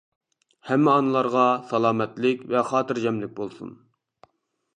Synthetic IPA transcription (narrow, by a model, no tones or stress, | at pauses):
hɛmːɪɑnɨlˠɑɾʁɑsɑlˠɑːmɛt̪lɪkʲvɛχɑːt̪ɨɾd͡ʒɛmlɪk̚ʲbolˠsṵn